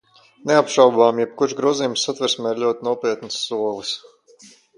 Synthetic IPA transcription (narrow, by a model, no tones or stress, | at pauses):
neapʃawbaːmjɛb̚kuɾʃɡɾuɔzijumsːat̪vɛɾsmɛːɾlʎʲuɔt̪inuɔpiɛt̪nɨsːuɔvɨs